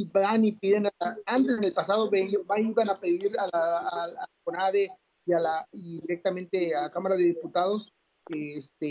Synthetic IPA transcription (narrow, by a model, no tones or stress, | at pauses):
ibanipiðenaaant̪ezenelpasaðoβebaiβanapeðiɾalaːakonaðe | ialaiðiɾek̚t̪amẽnt̪ealakamaɾaðe̞ðiput̪að̞o̞s | est̪e